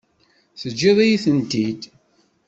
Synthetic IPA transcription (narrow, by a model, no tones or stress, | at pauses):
θəd͡ʒːɪðˤijiθənt̪id̪